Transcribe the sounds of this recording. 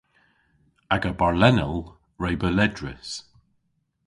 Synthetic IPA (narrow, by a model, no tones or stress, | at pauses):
aɡəbaɹlɛnəlˠ | ɹejbəlɛdɹɪ̰s